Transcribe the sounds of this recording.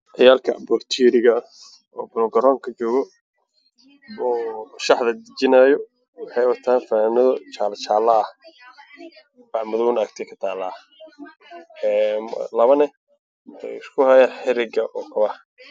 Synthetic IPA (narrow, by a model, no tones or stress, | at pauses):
ʕɛjaːlkʰɐ̰bɔrt̪ʰiːɾɪɣɐ | ɔːbʊlɡɐɾɔːŋkʰɐt͡ʃɔːɣɔ | bɔʃɑħðɐd̪ɪt͡ʃɪnajɔ | wɑħɑjwɐt̪ʰaːnfɐnaːnɐðɔt͡ʃaːlɐt͡ʃaːlɐ | bɑʕmʊðwnɐkt̪ʰɛkʰɐ̥t̪ʰaːlaː | ɛm̰lɐβɐnɛ | mʰɛ̰jɪskʰʊhɐjaːħɪɾɪɡɐʔɔːkʰʊβɐh